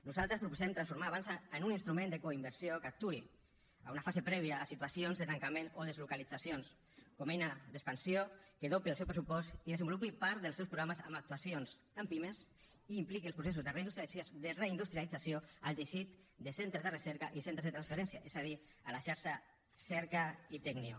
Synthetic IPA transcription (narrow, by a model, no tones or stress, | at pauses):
nuzalˠt̪ɾəspɾupuzɛmt̪ɾansfuɾmaːβansaːnuninst̪ɾumẽnd̪əkoimbəɾsjokak̚t̪ui | a̰unafazepɾɛβ̞iaːsit̪wasionzðət̪aŋkamenoðəzlukalid͡zasjons | komɛjnad̪əkspansiokəðopiəlˠsewpɾəsupɔst̪iðezəmbulupipaɾt̪ðəlsewspɾuɣɾaməzə̰mak̚t̪uasionz | ampimes | iːmplikiəlspɾuses̬uzðəreinust̪ɾisod̪əreind̪ust̪ɾialid͡zasjoəlt̪eʃit̪ | d̪əsent̪ɾəzðərəsɛɾkaʔisent̪ɾezðət̪ɾansfeɾɛnsjaʔezað̞i | alaʃaɾʃa | sɛɾkait̪ɛɡniu